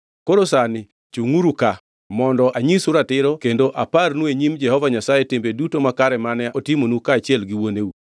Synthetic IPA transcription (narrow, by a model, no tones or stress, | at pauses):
koɾosanɪ | t͡ʃuŋuɾuka | mɔndɔʔaɲisʊɾatɪɾɔkendoʔaparnweɲimd͡ʒɛhɔvaɲasajetembedutomakaɾɛmanɛʔɔtɪmonukaːt͡ʃjɛlɡɪwoneu